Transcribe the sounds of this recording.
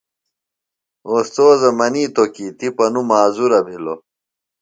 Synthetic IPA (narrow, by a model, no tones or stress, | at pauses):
oːst͡s̪oːzɐmɐniːt̪okiːt̪ipɐnumaːzuɾɐbilo